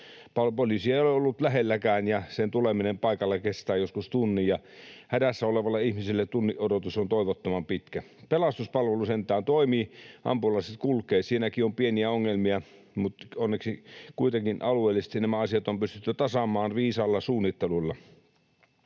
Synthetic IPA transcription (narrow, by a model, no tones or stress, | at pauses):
pɑpolisieˑioleolːut̪læɦelːækæːnjɑsent̪uleminempɑikɑlːɑkest̪æːjoskust̪unːijjɑhædæsːæoleʋɑlːɑihmisilːet̪unːiʔodot̪usont̪oˑiʋot̪ːomɑmpit̪kæ | pelɑst̪uspɑlʋelusent̪ˑæːnt̪oˑimiːʔɑ̰mpulɑiset̪̚kulkˑeːt̪siːnækiompieniæoŋːelmiɑ | mut̪onːeksikuit̪ekinʔɑlueˑːlːˑise̥st̪inæmæɑsiɑt̪ompyst̪yt̪ːyt̪ɑsɑmˑɑːnʋiːsɑlːɑsuːnːit̪ːelulːɑ